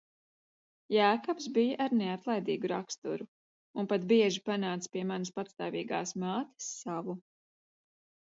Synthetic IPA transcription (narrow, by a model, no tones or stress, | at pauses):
jaːkɔpsbijaʔaɾneat̪lˠajd̪iːɡuɾakst̪uɾu | unpat̪biɛʒipanaːt̪spiɛmanəspat̪st̪aːviːɡa̰ːsmaːt̪ə̥sːavu